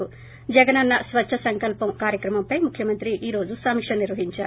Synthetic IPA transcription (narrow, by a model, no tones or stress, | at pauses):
u | d͡ʒɐɡɐnɐnːɐsʋɐt͡ʃʃʰɐsɐŋkɐlpɐmkaːɾjɐkɾɐmɐmpɐjmukʰjɐmɐnt̪ɾiʔiːɾo̞ːd͡ʒusɐmikʂɐniɾʋɐɦiɲt͡ʃaːɾu